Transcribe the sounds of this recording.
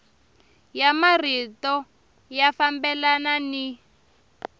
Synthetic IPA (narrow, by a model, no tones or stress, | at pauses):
jamaritɔ | jafambɛlanani